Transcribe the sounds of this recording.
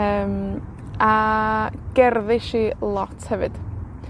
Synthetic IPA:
əːm | a | ɡ̥ɛrðɪʃiːlˠɔtʰhɛvɨ̰d̥

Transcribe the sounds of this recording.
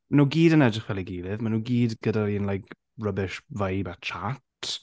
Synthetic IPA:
nuːɡiːdənɛdrəχwɛlˠiɡiːlɪvmanuːɡiːdɡ̥ədaɾiənlˠajk | rəbɪʃvajbat͡ʃʰat

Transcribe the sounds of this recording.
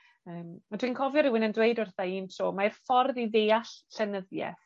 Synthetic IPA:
əːmad̥wiːnkʰɔvjɔɾɪwɪnəndwejdʊrθaiːnsoːmarfɔrðiðeːaɬɬɛnəðjɛ̰θ

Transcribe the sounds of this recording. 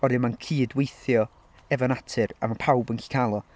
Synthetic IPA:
ɔɾɨmankʰiːdwejθjɔ | ɛvɔnatʰɨra̰mapʰawbənkʰi̥kʰalˠɔ

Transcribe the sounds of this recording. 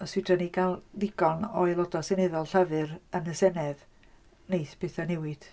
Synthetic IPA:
ɔswid̥rəniɡalˠdɪɡɔnɔjlˠɔdɔsenɛðɔlˠɬəvɨɾənəsɛnɛð | nejθpɪθanɛwɪd̥

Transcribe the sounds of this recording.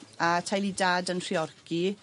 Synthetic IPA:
atʰajlˠidaːdənr̥iɔrki

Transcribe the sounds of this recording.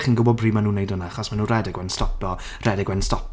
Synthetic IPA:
χiːnɡʊbɔdbriːmanuːnejdənaaχɔsmanuːnrɛdɪɡwɛnstɔpjɔ | rɛdɪɡwɛnstɔp

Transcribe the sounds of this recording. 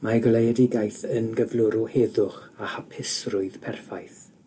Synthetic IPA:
maɡlˠejɛdɪɡajθənɡəvlʊɾʊheðʊχahapʰɪsrʊɨð̥pʰɛrfajθ

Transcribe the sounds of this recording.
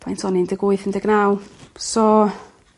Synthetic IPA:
pʰajntʰɔnindəɡʊɨθəndɛɡ̥nawsɔ

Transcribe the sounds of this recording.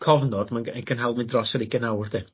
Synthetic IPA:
kʰɔvnɔd̥manəkʰənɦalˠvɪndrɔsəɾɪɡənawrde

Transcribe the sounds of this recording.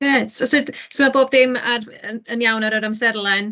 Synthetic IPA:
jɛtɔsɨdsəmaboːb̚ðɪmar | əənjawnaɾəɾamsɛrlˠɛn

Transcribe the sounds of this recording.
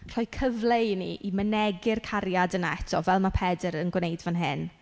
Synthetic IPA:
r̥ɔɨkʰəvlejnḭʔimənɛɡɪrkʰaɾjadəna̰ɛtʰɔvɛlˠmapʰɛdəɾənɡwnejdvanɦɪn

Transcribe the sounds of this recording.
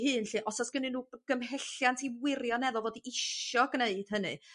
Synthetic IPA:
hɨːnɬiːʔɔsɔsɡ̥ənɨnuːɡ̥əmɦɛɬjantʰiwɪɾjɔnɛðɔlˠvɔdiɪʃɔɡneɨd̥ɦənɨ̰

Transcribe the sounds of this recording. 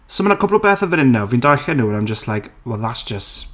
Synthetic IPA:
somənakʰʊblˠɔbeːθəvəɾɪnːawvindajɬɛnuːə̃najmd͡ʒəstʰlˠajkwɔðasd͡ʒəs

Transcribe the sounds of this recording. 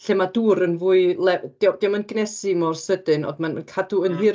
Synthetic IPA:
ɬeːmaduːɾənvuːɨlˠɛd̥ewdɛwmanɡnɛsimɔrsədɨnɔ̰dmankʰaduənɦɨ

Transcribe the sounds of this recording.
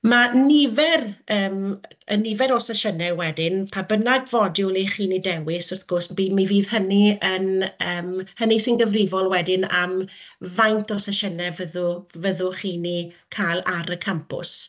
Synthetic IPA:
manɪvɛrəːmənːɪvɛɾɔsaʃənɛwɛdɪnpʰabənaɡvɔdjʊliχiːnidɛwɪsʊrθɡ̥ʊsmbiːmiviːð̥həniənəːmhənisɪnɡəvrɪvɔlˠwɛdɪna̰mvajntʰɔsaʃənɛvəðʊvəðʊχiːnikʰalˠaɾəkʰampʊ̰s

